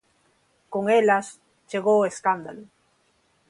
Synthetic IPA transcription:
koŋelas | t͡ʃeɣoeskand̪alo

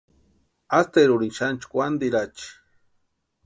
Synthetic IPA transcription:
ast̪eɾuɾinʃant͡ʃkʷand̪iɾat͡ʃi̥

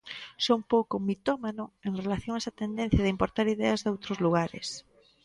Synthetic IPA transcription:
soumpowkʊmit̪ɔmanʊeŋrelaθjõŋaesat̪end̪ɛ̃n̟θjɐðeimpoɾt̪aɾiðɛɐzðowt̪ɾʊzluɣaɾɪ̰s

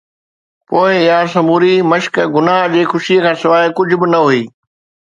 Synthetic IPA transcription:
poːɪɪjasɐmuːɾimɐʃkɡʊnaɦd͡ʑeːxʊʃiəkʰãːsɪʋaːkʊd͡ʑʱʊ̆bɪnɐɦuiː

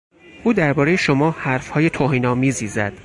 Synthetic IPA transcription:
ʔuːd̪æɾbɒːɾe̞je̞ʃomɒːhæɾfhɒːje̞t̪ʰoːɦiːnɒːmiːziːzæ̰d̪̥

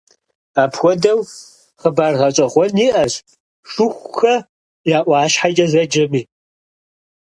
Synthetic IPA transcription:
aːpʰxʷɔdɐw | χəbaːrʁɐt͡ʃʼɐʁʷɔniːʔɐɕ | ʂʊxʷxɐ | jaːʔʷɑːʃħad͡ʒʼɐzɐd͡ʒɐmiː

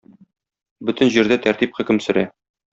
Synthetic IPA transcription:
bɵt̪ɘ̆nʑiɾd̪æt̪æɾt̪ipχɘ̆kɘ̆msɵ̆ɾæ

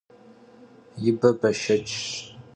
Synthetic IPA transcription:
jɪbɐbɐʃɐt͡ʃʼʃ

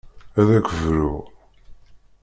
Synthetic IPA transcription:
æðækəvɾu

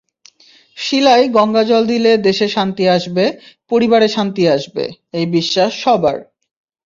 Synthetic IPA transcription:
ʃilajɡɔŋɡad͡ʑɔld̪iled̪eʃeʃant̪iaʃbepoɾibaɾeʃant̪iaʃbḛ | ejbiʃːaʃːɔba̰ɾ

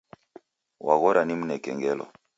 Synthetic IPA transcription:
waɣɔɾanim̩nɛkɛŋɡɛlɔ̰

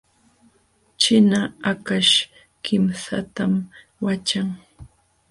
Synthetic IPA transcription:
t͡ʃɪnaakaʃ | kʰɪmsa̰t̪am | wat͡ʃaŋ

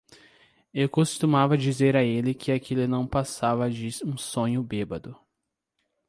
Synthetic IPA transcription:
ewkost̪umavɐd͡ʒizeɾaelɪkʰɪakʰilʊnɐ̃w̃pasavɐd͡ʒɪũsõɲʊbebɐd̪ʊ

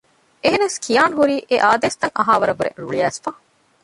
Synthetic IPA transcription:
eɦenɐskʰijaːnɦuɾiːʔeʔaːd̪eːst̪ɐŋʔɐɦaːʋɐɾɐbuɾḛɾṵɭiæːsfa

